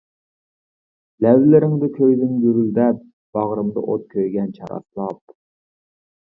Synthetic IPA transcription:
lɛvlɪɾɪŋd̪ɪkʲʰøjðɪŋɡyɾyld̪ɛp̚ | b̥ɑʁɾɨmd̪ɨ̰ʔot̪̚kʲʰøjɡʲɛnt͡ʃʰɑ̰ɾɑ̰slˠɑp̚

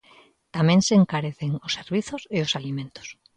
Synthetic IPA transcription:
t̪amẽŋseːŋkaɾeθeŋosːeɾβiθoseosalimẽnt̪o̥s

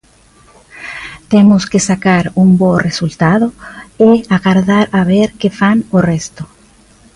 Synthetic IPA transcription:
t̪emoskesakaɾumboresult̪aðoeaɣaɾðaɾaβeɾkefanorest̪o

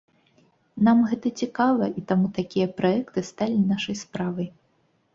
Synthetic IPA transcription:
namɣɛt̪ɐt͡sʲikavɐʔit̪amut̪akʲijɐpɾaɛkt̪ɨst̪alʲinaʂɐjspɾavɐj

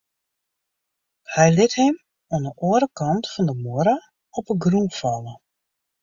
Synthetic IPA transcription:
hɛjlɪthɪm | andəʔoəɾəkɑntfɔndəmoɾa | ɔpəɡrufɔlˠə

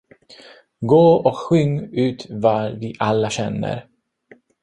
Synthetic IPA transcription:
ɡoːɔkɧʏŋːʉ̟ːt̪vavɪʔalːaɕɛnːə̰ɾ

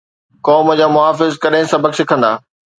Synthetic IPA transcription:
kɔːməd͡ʑaːmʊɦaːfɪzkɐɗɦɪ̃sɐbʱəksɪkʰə̃nd̪a̰ː

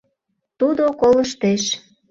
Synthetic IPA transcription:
t̪ud̪okoləʃt̪eʃ

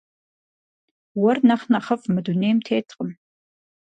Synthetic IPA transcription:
wɔrnɐχnɐχɐfmɨduneːmtʰeːtʰqʼəm

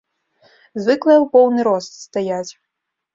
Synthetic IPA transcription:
zvɨklˠɐjɛwpɔwnɨɾɔst̪st̪ajat͡sʲ

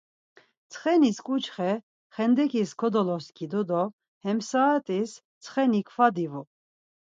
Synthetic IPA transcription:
t͡sʰχɛniskʼut͡ʃχɛ | χɛnd̪ɛkʰʼiskʰɔd̪ɔlɔskʰid̪ɔd̪ɔ | hɛmsaːt̪ʼis | t͡sʰχɛnikʰfad̪ivu

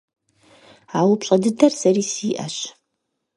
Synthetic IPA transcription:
aːwʊpɕʼɐdɨdɐrsɐriːsiːʔɐ̰ɕ

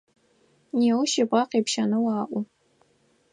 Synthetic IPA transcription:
niwʃipʼaqʼepʰʃanɨwaːʔʷu

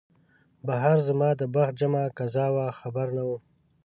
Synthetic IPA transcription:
baɦaɾzamɑːd̪əbax̚d͡ʒamakazɑːwaxabaɾnawu

